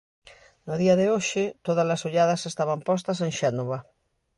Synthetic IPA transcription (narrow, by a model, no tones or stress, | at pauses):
noðiɐðeoʃɪt̪oðazlasoʎað̞ɐsest̪aβampɔs̬t̪ɐseŋʃɛnoβa